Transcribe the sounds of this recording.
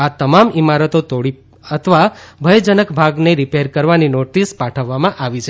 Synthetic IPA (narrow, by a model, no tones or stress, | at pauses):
at̪əmamimaɾət̪ot̪oɽi | ət̪ʰəʋabʱəjd͡ʒənəkbʱaɡneɾipeɾkəɾʋaninoʈispaʈʰəʋːamãʔaʋit͡ʃʰe